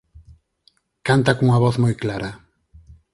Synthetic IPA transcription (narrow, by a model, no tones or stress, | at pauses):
kant̪akuŋɐβɔθmojklaɾɐ